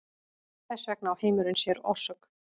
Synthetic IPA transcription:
θɛsvɛk̚naawheːjmʏɾʏnsjɛɾɔ̰̥sœk

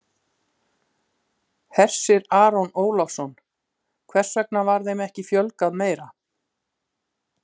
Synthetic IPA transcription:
hɛr̥sɪɾaːɾɔnoːwlɔfsɔn | kʰvɛr̥svɛk̚navaɾðejmɛhcɪfjœlkaðmeːjɾa

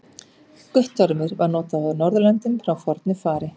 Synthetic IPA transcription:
kʏht̪ɔɾmɪɾvaɾnɔːt̪aðawnɔɾðʏlɛnt̪ʏmfɾawfɔɾt̪nʏfaːɾɪ

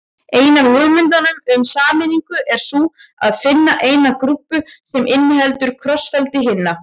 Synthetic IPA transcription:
eːjnalœɣmɪnt̪̬anʏmʏmsaːmɪniŋkʏʔɛɾ̥sua̰ðfɪnːaʔeːjnakɾupːʏsɛmʔɪnːɪhɛlt̪ʏɾ̥kʰɾɔsfɛlt̪ɪɦɪnːa

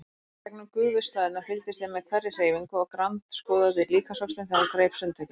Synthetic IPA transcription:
t̪ʰɛk̚nʏmkʏːɣvʏst̪laːðɪnaɾfɪlt̪ɪsθemɛðkʰvaɾɪr̥eːjviŋkʏɔɣkɾant̪skɔːðaðɪliːkʰasɔpt̪ɪnθɛnakɾeːjpsʏnt̪ʰœc

